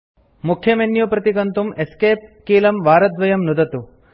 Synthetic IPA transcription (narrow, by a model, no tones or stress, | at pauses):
mukʰjɐmenjupɾɐt̪ikɐnt̪umeskeːp̚kiːlɐmʋaːɾɐd̪ʋɐjɐmnud̪ɐt̪u